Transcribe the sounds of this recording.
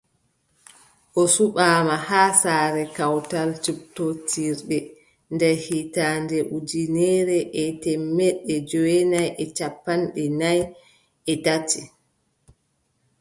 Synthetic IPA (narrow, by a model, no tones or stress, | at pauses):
ʔɔsuɓaːmahaːsaːɾɛkawtalt͡ʃuptotiɾɗɛ | ndɛɾhitaːndɛʔud͡ʒinɛɾɛʔɛtɛmːɛɗɛd͡ʒɔwɛnajʔɛt͡ʃapːanɗɛnaj | ɛtati